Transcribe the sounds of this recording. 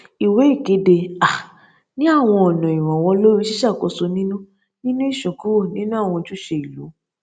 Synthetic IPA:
i˨we˨˦i˦˨ke˨˦de˧a˨ | nĩ˦a˦˨w̃ɔ̃˧ɔ˨nɔ̃˨ĩ˨w̃ɔ̃˨w̃ɔ̃˧lo˦ɾi˦ʃi˦ʃa˦˨ko˨˧so˧nĩ˦nũ˦ | nĩ˦nũ˦i˦˨ʃũ˨ku˦o˦˨nĩ˦nũ˦a˦˨w̃ɔ̃˧tu˦ʃe˧i˨lo˨˦

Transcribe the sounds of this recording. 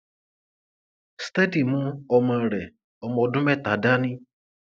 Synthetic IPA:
ste˦di˦˨mũ˦ɔ˧mã˧˨ɾɛ˨ | ɔ˧mɔ˧dũ˦mɛ˦˨ta˨˦da˦nĩ˦

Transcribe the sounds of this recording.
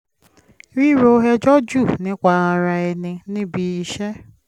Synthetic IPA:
ɾi˦ɾo˨˦ɦe˦d͡ʒɔ˦d͡ʒu˦˨nɪ̃˦kʷa˧a˧ɾa˧ɛ˧nɪ̃˧nĩ˦bi˧i˧ʃe˦

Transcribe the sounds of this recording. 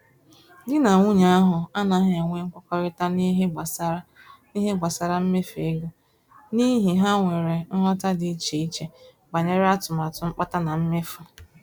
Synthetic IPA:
dɪ˦na˨ŋʷu˦ɲa˦a˦ɦʊ˨a˦na˨ɦe˦a˨ŋʷe˦ŋ̩˦kʷɔ˦kɔ˦ɾɪ˦ta˦ni˦ɦɡ͡ba˨s | ni˦ɦe˦ɡ͡bʷa˨sa˨ɾa˦m̩˦me˦fe˨ɡo˦ | ni˦ɦi˨ɦa˦ŋʷe˨ɾe˨n̩˦ɦɔ˦ta˦di˨i˦t͡ʃe˨i˦t͡ʃe˨ | ɡ͡ba˨ɲe˦ɾe˦a˦tʊ˨m˨a˨tʊ˨˦ŋ͡m̩˦k͡pa˦ta˦na˨m̩˦me˦fʊ˨

